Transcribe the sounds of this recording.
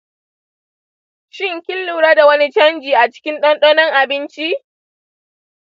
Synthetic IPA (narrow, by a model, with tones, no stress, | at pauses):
ʃɪ˦ŋkʲɪ˦lːuː˨ɽaː˦da˨wɐ˦ni˦t͡ʃɐ˦nd͡ʒiː˨ʔa˨t͡ʃɪ̥˦kʲɪ˦nɗɐ˦nɗoː˦nɐ˦ŋʔa˨bɪ˦nt͡ʃi˦